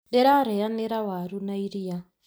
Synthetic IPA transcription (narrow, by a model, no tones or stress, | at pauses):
dɛɾaɾɛjanɛɾawaɾunaiɾija